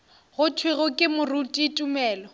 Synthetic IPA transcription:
ɣʊtʰwɪɣʊkʼɪmʊrutʼitʼumɛːlɔ

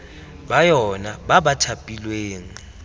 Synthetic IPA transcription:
ɓajɔnaɓaɓatʰapʼilweːŋ̩

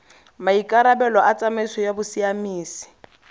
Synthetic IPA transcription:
maikʼaɾabɛlɔʔat͡sʼamɪsɔjabʊsiamiːsi̥

